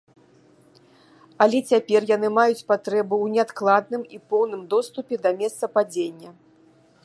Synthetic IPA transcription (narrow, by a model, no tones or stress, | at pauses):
ɐlʲɛt͡sʲapʲɛrjanɨmajut͡sʲpat̪ɾɛbɨwnʲɛat̪klˠad̪̚nɨmipɔwnɨmd̪ɔst̪upʲɛd̪ɐmʲɛst̪sɐpad͡zʲenʲːɐ